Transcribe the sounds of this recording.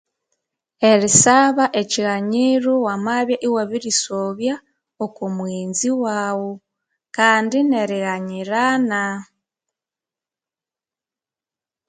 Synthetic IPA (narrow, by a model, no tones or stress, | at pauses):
e̞ɾisaβaʔeciɣaɲiɾuwamaβjaʔiwaβiɾisoβja | okumwiːnziwaːwo | kaːndine̞ɾiɣaɲiɾana